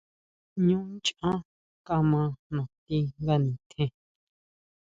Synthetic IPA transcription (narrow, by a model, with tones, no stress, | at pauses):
ɲũ˦t͡ʃã˦ | ka˧mã˧nõ˨t̪i˧ŋɡa˦nĩ˨t̪ʰẽ˧